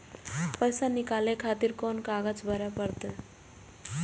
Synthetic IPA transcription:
pəjsanikalekʰat̪iɾkonkaɡət͡sbʱʌɾjapəɾt̪e

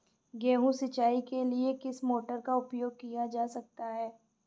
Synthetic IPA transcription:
ɡɛ̃ːɦũsɪt͡ʃaːikeliekɪsmoːʈəɾkaʊpjoːɡ̚kijad͡ʒaːsɐk̚t̪aɦɛː

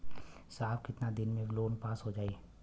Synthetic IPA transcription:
saːbkɪt̪nad̪ɪnmẽloːnpaːsɦod͡ʒaːeː

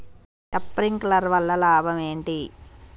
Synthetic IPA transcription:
kɐpːɾiŋklɐɾʋɐlːɐlaːbʱɐme̞ːɳʈi

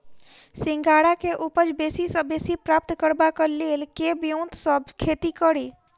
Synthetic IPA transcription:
sɪ̃ŋɡaːɽakeʔupəd͡ʒbeːsisəbesipɾaːp̚t̪kəɾbakəleːlkebjõːnt̪səbkʰeːt̪ikəɾe

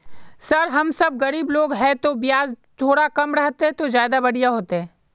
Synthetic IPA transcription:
sɐɾɦɐmsɐb̚ɣɐɾiːbloːɡɦɛ̃t̪obɪjaːzt̪ʰoːɽakɐmɾɐɦt̪eɦɛ̃t̪ozjaːd̪abɐɽ̤ijaɦoːt̪eɦɛ̃ː

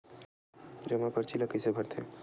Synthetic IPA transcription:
d͡ʒəmapəɾt͡ʃʰiləkəsebʱəɾt̪ʰḛ

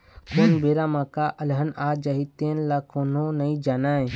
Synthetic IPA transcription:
konbeɾamãkaʔəlɦənad͡ʒəɦit̪ẽnlakononəĩd͡ʒaːnaːẽ

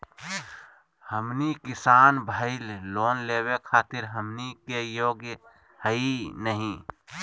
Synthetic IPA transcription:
həmnikɪsaːnbʱəɪlːoːnleːwekʰaːt̪ɪɾɦəmnikejoːɡj | həinəɦĩ

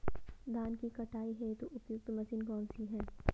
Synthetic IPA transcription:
d̪aːnkikɐʈaːiɦɛt̪oʔʊt̪jʊɡ̚t̪mɐsɪnkɔːnsiɦɛː

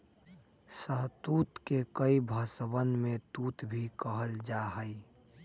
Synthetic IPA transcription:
səɦt̪uːt̪kekəibʱəsəwənmẽt̪uːt̪bʱikəɦəld͡ʒaːɦəi

